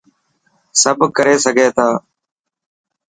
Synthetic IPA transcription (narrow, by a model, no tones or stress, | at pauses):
səbʱkəɾeːsəɡʱeːt̪ʰaː